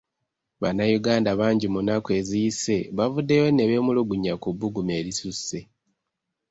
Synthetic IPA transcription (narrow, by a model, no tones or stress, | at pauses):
βanːajuɡaːndaβaːɲɟimunakwe̞ːzijise̞βavudːe̞jo̞neβe̞ːmuluɡuɲːakubuɡume̞ːɾisuse̞